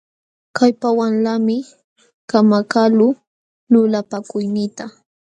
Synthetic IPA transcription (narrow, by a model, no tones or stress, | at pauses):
kajpawanlamɪ | kamakalʊ | lʊlapakʊjnɪt̪a